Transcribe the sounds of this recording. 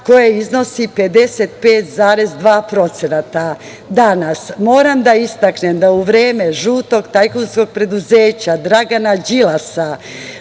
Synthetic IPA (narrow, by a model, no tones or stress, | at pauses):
ko̞jeizno̞sipe̞d̪e̞set̪̚pe̞ːt̪zaːɾe̞zd̪ʋaːpɾo̞t̪senat̪a | d̪anasmo̞ːɾamd̪aist̪aknemd̪auʋɾeːme̞ʒuːt̪o̞ɡt̪ajkunsko̞ɡ̚pɾe̞d̪uzeːt͡ɕad̪ɾaɡanad͡ʑilasa